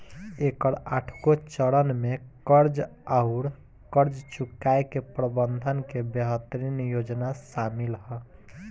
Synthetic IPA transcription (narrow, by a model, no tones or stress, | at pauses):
ekəɾaʈʰkot͡ʃəɾənmekəɾd͡ʒaʊɾ | kəɾd͡ʒt͡ʃukːaekepɾəbənd̪ʱənkebəɦət̪ɾinjod͡ʒnasamilɦɔ